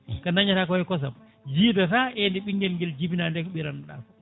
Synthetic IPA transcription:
kanaɲataːkɔɛkɔs̬a̰m | d͡ʒiːdataendiɓiŋɡɛlŋɡɛld͡ʒibinandɛkɔɓiɾanɗa̰m

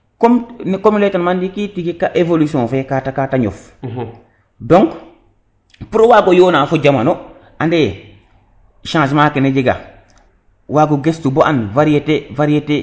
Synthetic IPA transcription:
komnkomiletanmandikitiɡikaʔevolusiõːfekatakataɲo̰f | dɔŋk | puɾowaɡojoːnaːfuɟamano | ʔande | ʃãːs̬maːkened͡ʒiɡa̰ | waɡuɡestuboʔanvaɾietevaɾiete

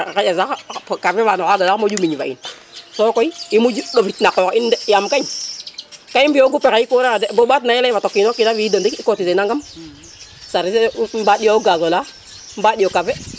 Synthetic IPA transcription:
kaazakafɛvanɔkaɡalamod͡ʒumiɲva̰ḭn | sɔkɔiimud͡ʒuɗofitnakɔkindɛjamkaɲ | kajimbioɡupɛkaikoɾeadɛbobatnajilaivatɔkːinokinaviidondikikotisenaŋɡam | saɾismbaɗijouɡazola | mbaɗiokafɛ

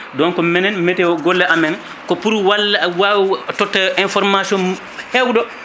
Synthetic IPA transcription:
dɔnkɔmɛnɛnmɛtɛɡɔlːɛʔamɛn | kɔpuɾwalːawawitɔtːɛʔɛnfɔɾmasiɔn | hɛwdɔ

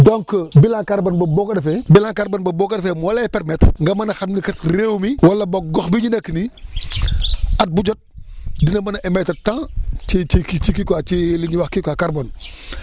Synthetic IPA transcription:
dɔŋkəbilãkaɾbɐnbɐbɔkɐdɐfɛbilãŋkaɾbɐnbɐbɔːkɐdɐfɛmɔlɐpɛɾmɛtŋɡɐmɐnɐxɐmnikɐtreːwmiwɐlːɐbɐɡɔxbiɲunɐkːni | ɐt̚buɟɔt̚dinɐmɐnɐʔɛmɛtɐtãːt͡ʃet͡ʃikit͡ʃikikwat͡ʃiliɲiwaxkikakaɾbɔn

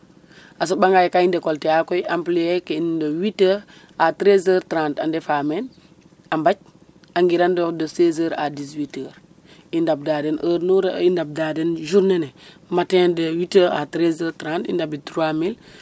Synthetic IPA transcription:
as̬obaŋɡajkaindekolteakojʔampliekeindowitə | atɾezəːɾtɾãntandefamen | ambac̚ | aŋɡiɾandodosez̬əːɾa̰diswitəːɾ | indab̚dadenəːɾnuɾaindab̚daːdenʒuɾnene | matendewitəa̰tɾezəːɾtɾãntḭndabitɾuamil

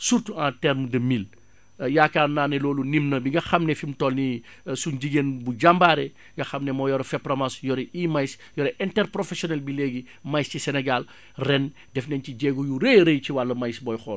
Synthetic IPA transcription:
surtuãːtɛɾmdɐmil | jakaːnaːnɛlɔːlunimnɐbiŋɡɐxɐmnɛfimtɔlni | sunɟiɡenbuɟambaːɾɛ | ŋɡɐxɐmnɛmɔːjɔɾɐfɛpɾɐmɐsjɔɾɛʔiːmajs | jɔɾɛʔɛntɛɾpɾɔfɛsjɔnɛlbileɡi | mɐjscisɛnɛɡal | rɛn | dɛfnɛnciɟɛːɡujuɾeɾejciwalːɐmɐjsbɔːjxɔːl

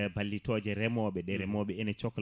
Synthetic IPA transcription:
balːitɔd͡ʒɛɾɛmɔɓɛɗɛɾɛmɔɓɛɛnɛt͡ʃɔkɔ

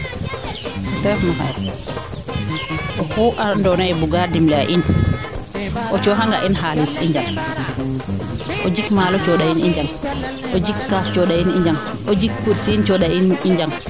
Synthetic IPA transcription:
ʔɔtɛɾfnɔɦa̰j | ʔɔfuʔandɔnɔɛbuɡadimlɛaʔin | ʔɔt͡ʃɔɦaŋɡaʔinɦalisiɲd͡ʒam | ʔɔd͡ʒikmalɔt͡ʃɔɗainiɲd͡ʒam | ʔɔd͡ʒikkːast͡ʃɔɗainiɲd͡ʒaŋ | ʔɔd͡ʒik̚puɾsint͡ʃɔɗainiɲd͡ʒaŋ

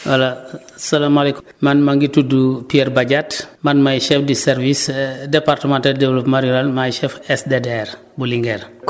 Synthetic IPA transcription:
wɐla | sɐlamalek | mɐnmɐŋɡitudupiɛɾbaɟatmɐnmajʃɛfdisɛɾvisdɛpartəmantaldɛvlopmaɾiualmajʃɛfɛsdedɛr | buliŋɡɛr

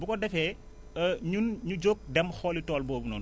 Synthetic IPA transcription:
bukɔdɛfɛ | əɲunɲud͡ʒoːk̚dɛmxɔːlitɔːlboːbunɔ̰n

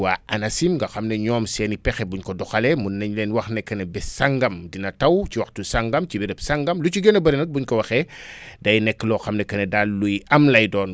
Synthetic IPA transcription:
waːʔɐnɐsimɡɐxɐmnɛɲɔːmsɛːnipɛxɛbuɲkɔdɔxalɛmunːɐɲlɛːnwɐxnɛkːɐnɛbɛsaŋɡɐmdinɐtɐwciwɐxtusaŋɡɐmcibɛdɐpsaŋɡɐmlucuɡɔnɐbɐɾɛnɐk̚buɲkɔwɐxɛdɐjnɛkːəlɔxɐmnɛkɐnedalːujɐmlɐjdɔːn

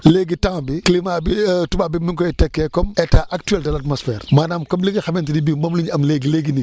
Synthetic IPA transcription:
leːɡitãŋbiklimabitubabimiŋkɔjitɛkːɛkɔmɛtaːʔɐk̚tyɛltɐlatmɔsfɛːrmaːnaːmkɔmliɡixɐmɛntidibimɐmluɲɐmleːɡileːɡini

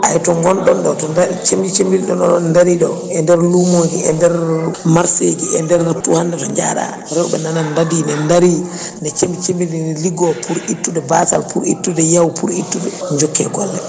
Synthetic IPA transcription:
ʔajtɔŋɡɔnɗɔnɗɔtɔndat͡ʃemd͡ʒit͡ʃembiɾiɗɔnɔɔndaɾiɗɔ | ɛndɛɾlumod͡ʒiɛndɛɾmaɾsed͡ʒiɛndɛɾtːuhandɛtɔɲd͡ʒa̰ɗa̰ | ɾɛɔɓɛ̰nanandadinɛndaɾi | nɛt͡ʃembit͡ʃembiɾinliɡɔpʰuɾitːuɗɛbasa̰lpuɾḭtːudɛjawpʰuɾitːuɗɛɲd͡ʒɔkːɛ̰ɡɔlːɛ

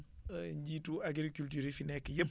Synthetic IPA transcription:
ɲɟiːtuaɡɾikultyːɾifinɛkːjəp

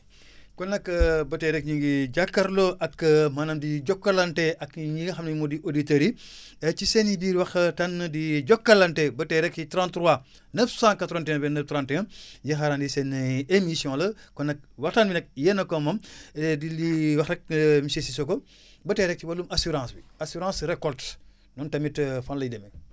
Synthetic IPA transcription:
kɔnɐkːɐbɐtɛɾɛk̚ɲiŋɡiɟakːɐɾloʔɐkːɐmɐnɐmdiɟɔkːɐlɐntɛʔɐkɲiɡxɐmnimodiʔoditeɾi | ɛt͡ʃisɛnjidiːɾwɐxtɐnːdiɟɔkːɐlɐntɛbɐtɛɾɛkːitɾãntɾuwa | nɐfsãŋkɐtɾantɛŋɐbɛnɐftɾãntɛŋɐjixaɾandisɛnːemisjɔ̃lɐkɔnɐk̚wɐxtanbinɐk̚jɛnɐkɔmɐmɛdiliwɐxɾɛk̚misesisokɔ | bɐtɛɾɛk̚t͡ʃiwɐlumʔɐsuɾãːsbiasiɾãːsɾɛkɔlt | nuntɐmitfɐnlɐidɛmi

